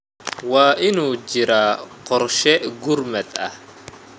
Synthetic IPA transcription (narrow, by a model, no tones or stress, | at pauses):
wɑːʔɪnuːd͡ʒɪɾaqɔrʃɛɡʊrmɐd̪ɐ̰h